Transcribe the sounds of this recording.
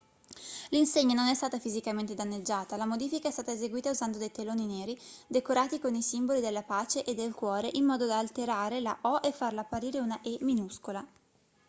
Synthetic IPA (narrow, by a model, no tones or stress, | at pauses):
linseɲːanonɛst̪aːt̪afizikament̪ed̪anːed͡ʒːaːt̪alamod̪iːfikaɛst̪aːt̪aezeɡwiːt̪auzand̪od̪ejt̪eloːnineːɾid̪ekoɾaːt̪ikonisimbolid̪elːapaːt͡ʃeʔed̪ːelkwɔːɾeʔimːɔːd̪od̪aːlt̪eɾaːɾelaʔɔʔefːarlaːpːaɾiːɾeunaʔɛminuskola